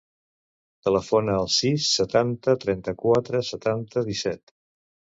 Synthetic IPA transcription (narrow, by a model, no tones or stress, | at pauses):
t̪ələfonəːlˠsisːət̪ant̪ət̪ɾɛnt̪əkwat̪ɾəsət̪ant̪əðisɛt̪